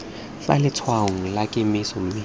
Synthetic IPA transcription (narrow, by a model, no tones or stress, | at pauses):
fa̰lɪt͡sʰwaɔŋ̩lakʼɪmɪsɔm̩mɪ